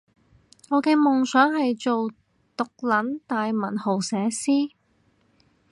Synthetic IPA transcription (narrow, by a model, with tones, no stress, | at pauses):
ŋɔː˨˧kɛː˧mʊ˨˩ŋsœː˨˥ŋɦɐ˨jt͡ʃo˨w | t̪ʊ˨k̚lɐ˨˥nt̪aː˨jmɐ˨˩nho˨˩wsɛː˨˧˥siː˥